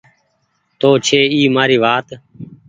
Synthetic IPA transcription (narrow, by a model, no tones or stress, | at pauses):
t̪oːt͡ʃʰeːiːmaːɾiːʋaːt̪